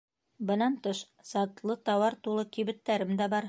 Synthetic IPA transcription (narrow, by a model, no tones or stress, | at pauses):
bɤ̆nɑnt̪ɤʃ | sɑt̪lˠɤt̪ɑwɑɾt̪ulˠɤkiβɘ̆t̪ːæɾɘmd̪æbɑɾ